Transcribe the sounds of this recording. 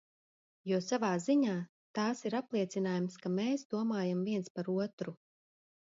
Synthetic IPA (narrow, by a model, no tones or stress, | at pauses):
juɔsavaːziɲaː | t̪aːsiɾaplˠiɛt̪sinaːjumskameːsd̪uɔmaːjamviɛnspaɾuɔt̪ɾu